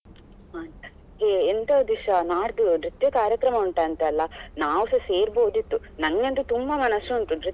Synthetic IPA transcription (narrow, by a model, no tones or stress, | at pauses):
aː | eːent̪ɐd̪iʂɐnaːɽd̪unɾit̪jɐkaːɾjɐkɾɐmɐuɳʈɐɐnt̪ɐːlːɐnaːʋsɐseːɾboːd̪it̪ːu | nɐŋɡɐnt̪ut̪umbɐmɐnɐsːunt̪unɾi